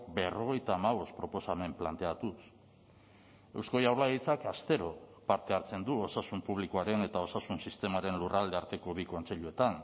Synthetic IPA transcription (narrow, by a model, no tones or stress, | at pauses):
be̞ro̞ɣ̞e̞jt̪aːmaβ̞o̞st̪̚pɾo̞po̞same̞mplant̪e̞at̪us | e̞wsko̞jawɾlaɣit͡sakast̪e̞ɾo̞paɾt̪e̞aɾt͡se̞nd̪uo̞sasumpuβ̞likoaɾe̞ne̞t̪ao̞sasunsist̪e̞maɾe̞nlurald̪e̞aɾt̪e̞ko̞βiko̞nt͡se̞ʎue̞t̪an